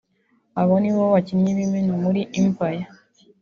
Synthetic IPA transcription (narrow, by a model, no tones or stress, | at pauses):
aβɔniwɔwat͡ʃinɲimiminamuɾiʔimpaja